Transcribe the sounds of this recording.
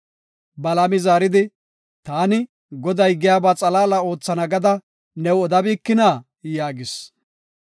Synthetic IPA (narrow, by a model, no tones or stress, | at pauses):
bɐlamɪzaːɾɪd̪ɪ | t̪aːnɪ | ɡɔd̪ɐjɡɪjaːbaːt͡sʼɐlaːlɐo̞ːt͡sːɐnɐɡɐd̪ɐ | nɛwɔd̪ɐbiːkːɪnaː | jaːɡɪs